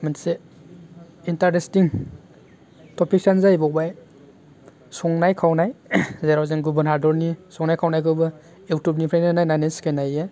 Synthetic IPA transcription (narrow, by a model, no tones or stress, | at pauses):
manse | intaɾdestiŋ | tɔpik̚sanzajbɔbaj | sɔŋnajkʰawnajzeɾawzeŋɡubanɦaɾdɔɾnisɔŋnajkʰawnajkʰɯwbɯ | ewtup̚nipʰɾananajnaneskʰajnaje